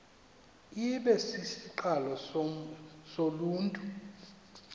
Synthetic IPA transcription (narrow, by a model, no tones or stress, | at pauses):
iɓɛsisiǃalɔ | soluːntʼu